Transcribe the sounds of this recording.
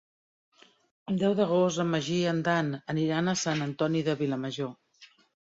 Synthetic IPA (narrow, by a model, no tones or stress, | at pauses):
əlˠd̪ɛwðəɣ̞ost̪əməʒiənd̪anəniɾanəsanənt̪ɔniðəβiləməʒo